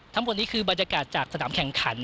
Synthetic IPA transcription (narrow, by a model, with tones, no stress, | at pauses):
t̪ʰa˦˥mbo˨˩t̪̚niː˦˥kʰɯː˧baː˨˩n̚ja˧kaː˨˩t̪̚t͡ɕaː˨˩k̚sa˧naː˩˦mkʰɛ˨˩ŋkʰa˩˦n